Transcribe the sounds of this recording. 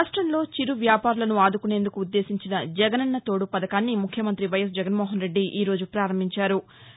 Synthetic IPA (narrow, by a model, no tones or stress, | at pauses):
ɾaːʂʈɾɐnlo̞ːt͡ʃiɾuʋjaːpaːɾulɐnuaːd̪ukune̞ːnd̪ukuːd̪ːe̞ːsiɲt͡ʃinɐd͡ʒɛɡɐnɐnːɐt̪o̞ːɽupɐd̪ɐkaːnːimukʰjɐmɐnt̪ɾiʋɐjɐsd͡ʒɛɡɐnmɔːɦɐnɾe̞ɖːiʔiːɾo̞ːd͡ʒupɾaːɾɐmbʱiɲt͡ʃaːɾu